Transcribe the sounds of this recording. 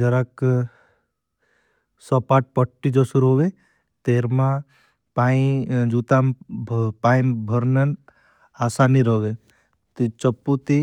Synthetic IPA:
d͡ʒəɾak | sɔpaʈ̚pəʈːid͡ʒəsuɾoːʋe | t̪eːɾmã | paĩd͡ʒut̪ampaːĩnbʱəɾnən | aːsaniɾoʋe | t̪it͡ʃəpːut̪i

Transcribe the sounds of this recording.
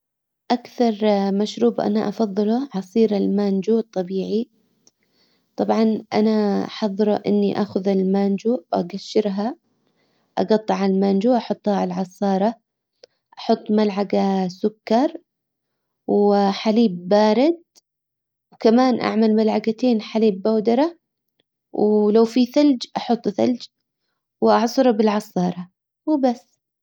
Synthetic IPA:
ʔakθɑɾˤmaʃɾuːbʔa̰naʔɑfɑðˤːɨlʊʕɑsˤiːɾalmand͡ʒut̪ˤːɑbiːʕi | t̪ˤɑbʕɑnʔa̰naħɑðˤːɨɾʔɪ̰nːiʔaːxʊðalmand͡ʒuʔa̰ɡaʃːɪɾɦa | ʔɑ̰ɡɑt̪ˤːɨʕalalmand͡ʒuʔɑħʊt̪ˤːhalʕɑsˤɑːɾˤɑ | ʔɑħʊt̪ˤːmalʕaɡasʊkːɑɾˤ | wħaliːbːaːɾɪd̪̚ | wkamaːnʔa̰ʕmalmalʕaɡat̪eːnħaliːbːawd̪ɑɾˤɑ | wlawfiθald͡ʒʔɑħʊt̪ˤːθa̰ld͡ʒ | wʔɑʕsˤʊɾˤɑbɪlʕɑsˤɑːɾˤɑ | wbasː

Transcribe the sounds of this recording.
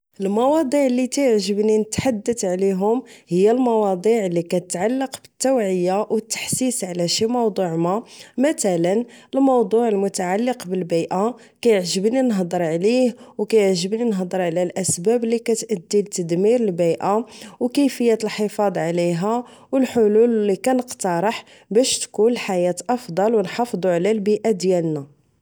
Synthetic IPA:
əlmɑwɑd̪ˤiʕəlːit̪æjəʕʒəbninət̪ħad̪ːət̪ʕliɦʊmhəjːælmɑwɑd̪ˤiʕlːikæt̪ət̪ʕalːəqbə̥t̪ːæwʕəjːawət̪ːḁħsisʕlæʃimɑwd̪ˤuʕmamət̪ælənəlmɑwd̪ˤuʕəlmʊt̪aʕalːəqbəlbijʔa | kæjəʕʒəbninɦd̪ˤəɾˤʕlihwkæjəʕʒəbninɦd̪ˤəɾˤʕlælʔæsbæblikæt̪ʔæd̪ːilt̪əd̪miɾəlbijʔawkæjfəjːæt̪əlħəfɑd̪ˤʕliɦæwəlħʊlullikænəqt̪ɑɾˤəħ | bæʃt̪kunəlħajæt̪ʔɑfd̪ˤɑlwənħɑfd̪ˤuʕlælbiʔad̪jælnæ

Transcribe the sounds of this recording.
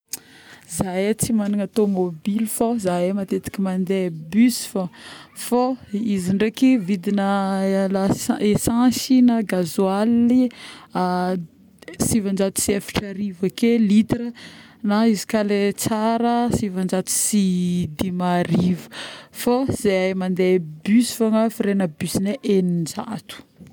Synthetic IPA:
zajat͡simaniŋat̪omobilifozajemat̪et̪i̥kʲimand̪ebysfafoiziɳɖ͡ʐekivid̪inəlaesãsinaɡazualːia | sivand͡ʒat̪u̥siefi̥ʈ͡ʂaɾivakelit̪ɾə | naizi̥kalet͡saɾəsivand͡ʒat̪u̥sid̪imaɾivə̥foz̥eajmand̪ebysfoŋafiɾenəbysineʔenind͡ʒa̰t̪u̥

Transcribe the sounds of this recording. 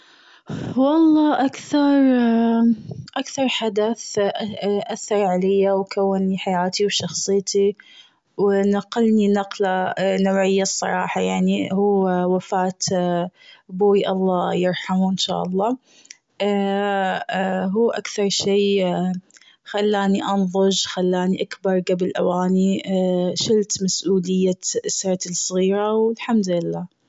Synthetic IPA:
wɑlˤːɑːʔakθɑɾˤ | ʔakθɑɾˤħad̪aθ | ʔaθːɑɾˤʕalɪjːawkawːɪnːiħajaːt̪iwʃɑxsˤɨjt̪i | wɪnaqalninɑqlanawʕɪjːasˤːɑ̰ɾˤɑ̰ːħɑjaʕnihuːwafaːt̪ | boːiʔɑlˤːɑːjɪɾˤħamuʔɪnʃa̰ːʔɑlˤːɑː | ʔ | ɦuːʔakθɑɾˤʃeː | xalːaːniʔɑnðˤʊʒxalːaːniʔakbɑɾˤɡabɪlʔawaːni | ʃɪlt̪masʔuːlɪjːaʔɪsɾˤɑt̪sˤɣiːɾawɪlħamd̪ɪlːaː

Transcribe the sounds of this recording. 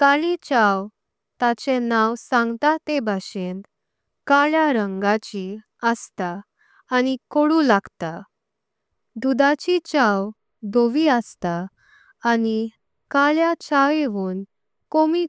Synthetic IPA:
kaɭit͡ɕaw | t̪at͡ɕenawsãŋɡt̪at̪ebʱaɕend̪ | kaɭjaɾəŋɡat͡ɕi | əst̪aː | nikoɽũlaɡt̪a | d̪ud̪at͡ɕit͡ɕaw | d̪oʋiəst̪aː | ni | kaɭjat͡ɕaʋeʋuːn | komiː

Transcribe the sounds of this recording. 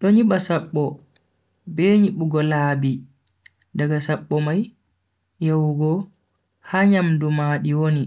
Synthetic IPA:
ɗɔɲiɓasaɓːɔ | bɛɲiɓuɡɔlaːbi | daɡasaɓːɔmaj | jawɡɔ | haɲamdumaːɗiwoni

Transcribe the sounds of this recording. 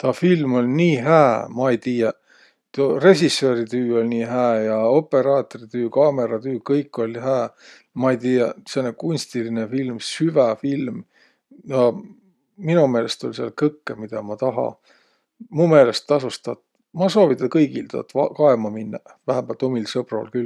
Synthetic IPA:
t̪ɑːfilmo̞lʲniːɦæːmɑejt̪iːjɑ | t̪ore̞ɕisːøɾit̪yːo̞lʲniːɦæːjɑope̞ɾɑːt̪oɾit̪yːkɑme̞ɾɑt̪yːkɤjkːˑo̞lʲhæː | mɑejt̪iːjɑsenːekunʲst̪ilinefilmsyvæfilm | jɑ | minume̞ːlest̪olʲseɑ̰lkɤkːemid̪̥ɑmɑt̪ɑɦɑ̰ | mume̞ːlest̪ːɑsust̪ɑt̪ | mɑso̞ːvit̪ːˑɑkɤjɡ̥ilt̪o̰t̪ːɑkɑemɑminːɑvæɦæmb̥ælt̪omilsɤb̥rṵlkyl

